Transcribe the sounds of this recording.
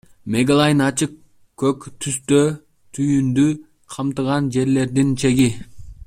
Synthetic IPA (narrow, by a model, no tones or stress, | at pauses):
me̞ɡalˠɑjnɑt͡ʃɯq | kːøkt̪ʰyst̪ø | t̪ʰyjynd̪y | qʰɑmt̪ɯʁɑnd͡ʒe̞ɾle̞ɾd̪int͡ʃʰe̞ɡi